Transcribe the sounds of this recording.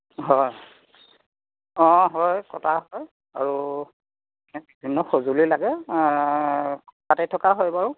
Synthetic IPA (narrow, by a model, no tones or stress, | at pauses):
ɦɔj | ɔ̃ɦɔjkɔtʰaɦɔj | aɹu | bibʱinːɔxozulilaɡɛ | katɛtʰɔkaɦɔjbaɹʊ